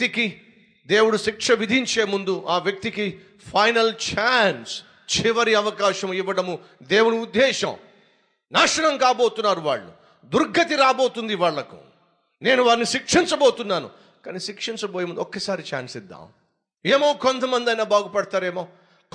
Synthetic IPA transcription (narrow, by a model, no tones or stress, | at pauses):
t̪iki | d̪eːwuɽuʃikʂɐʋid̪ʱiɲt͡ʃeːmund̪uʔaːʋjɐk̚t̪iki | pʰɐjnɐlt͡ʃaːns | t͡ʃiʋɐɾiɐʋɐkaːʃɐmiʋːɐɽɐmu | d̪eːwuɽuːd̪ːɛːʃɐ̰m | naːʂɐɳɐmkaːboːt̪unːaːɾuʋa̰ːɭːṵ | d̪uɾɡʱɐt̪iɾaːbo̞ːt̪und̪iʋaːɭːɐkṵ | ne̞ːnuʋaːɾniʃikʂiɲt͡ʃɐboːt̪unːaːnṵ | kaːniʃikʂiɲt͡ʃɐboːjemund̪ɔkːɐsaːɾit͡ʃa̰ːnsid̪ːa̰ːm | eːmoːkont̪ɐmɐnd̪ɐjnaːbʱaːɡupɐɽɐt̪aːɾeːmoː